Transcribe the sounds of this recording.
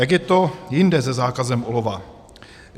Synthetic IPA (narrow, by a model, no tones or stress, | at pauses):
ɛɡjɛt̪ojɪndɛzɛzaːkazɛmʔolova